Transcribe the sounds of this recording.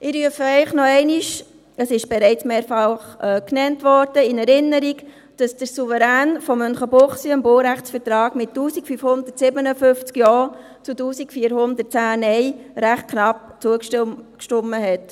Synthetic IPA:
ɪɾyəfəɛɪχnɔɛɪniʃ | əsɪʃb̥ɛɾɛɪt͡smeːɾfɑlχɛknɛntʋɔːɾd̥əɪnɛɾɪnːəɾiɡ | d̥ɑsd̥əɾsuvəɾæːnfɔmːœnχəbʊχsiəmboːɾæχt͡sfəɾtɾɑːɡmɪttːuːsikfyfhʊndətsɪbənəføft͡skjɔː | t͡sutuːsikfiːəɾhʊndət̚t͡sæːnɛɪɾæχt̚kʰnɑp̚t͡suəkʃkʃtʊmːəɦɛt

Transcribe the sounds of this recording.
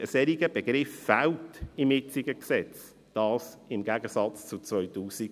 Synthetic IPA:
əsɛɾiɡəb̥eɡɾɪfːæltɪmɪt͡siɡəksɛt͡s | d̥ɑːs | ɪmɡæɡəsɑt͡st͡sut͡svœʏtuːsiɡ

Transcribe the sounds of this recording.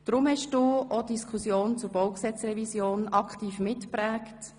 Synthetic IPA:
d̥ɾʊmhɛʃd̥uːodiskʰusjoːnt͡sʊɾb̥owksɛt͡srɛvisjoːnɑkχtiːfmɪtpɾæːkt

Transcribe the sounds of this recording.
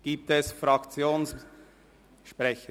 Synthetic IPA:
ɡ̥iːp̚t̪ɛsfɾɑkt͡sjoːns | ʃpɾɛçə

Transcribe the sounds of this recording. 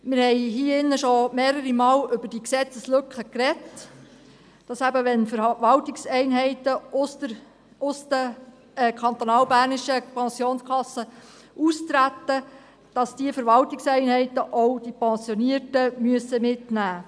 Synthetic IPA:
mɪɾhɛɪɦiəɪnːəʃomeːɾəɾimɑːlʏbəɾd̥iksɛt͡səslɵkχəkrɛt | d̥ɑsæbəʋɛnfəɾʋɑltɪksɛɪnɦɛɪtəʊsə | ʊstə | kʰɑnt̪onɑːwbæːɾnɪʃəpɑnsjoːnskʰχɑsːə | ʔust̪ɾætːə | d̥ɑsd̥iəfəɾʋɑltɪksɛɪnɦɛɪtəʔowd̥ipɛnsjoniətəmyəsəmɪtnæː

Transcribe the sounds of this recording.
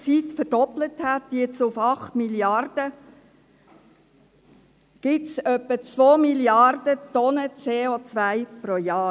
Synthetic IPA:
t͡sit̪fərd̥ɔpləthæt̪ːjɪt͡sʊfɑχt̪miljɑrd̥ə | ɡ̥ɪtsœpːət͡sʋoːmiljɑrd̥ət̪ɔnət͡seːot͡sʋæɪpɾojɑː

